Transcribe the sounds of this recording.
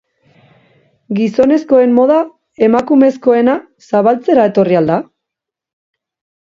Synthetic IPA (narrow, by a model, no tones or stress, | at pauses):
ɡiso̞ne̞sko̞e̞mːo̞ð̞a | e̞makume̞sko̞e̞na | saβalt͡se̞ɾae̞t̪o̞riald̪a